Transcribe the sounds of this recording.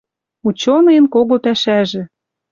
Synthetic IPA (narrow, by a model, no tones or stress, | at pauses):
ut͡ɕonɤjənkoɣopæʃæʒĕ